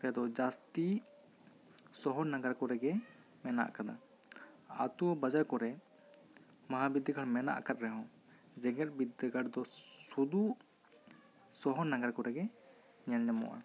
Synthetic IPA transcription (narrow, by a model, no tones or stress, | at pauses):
kjad̪ɔd͡ʒast̪i | sɔɦɔɾnaɡaɾkɔɾɛɡɛ | mɛna̰ʔkad̪a̰ | a̰t̪ubad͡ʒaɾkɔɾɛ | maɦabid̪əkʰaɽmɛna̰ʔkat̪̚ɾɛɦɔ̃ | d͡ʒɛɡɛt̪̚bid̪ɡaɾd̪ɔsud̪u | sɔɦɔɾnːaɡaɾkɔɾɛɡɛ | ɲɛlɲamɔ̰wa̰